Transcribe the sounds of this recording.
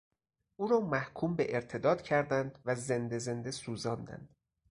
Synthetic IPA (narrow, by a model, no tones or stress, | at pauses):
uːɾɒːmæhkʰuːmbeʔeɾt̪ʰe̞d̪ɒːd̪cʰæɾd̪ænd̪væze̞nd̪e̞ze̞nd̪e̞suːzɒːnd̪æ̰nd̪̥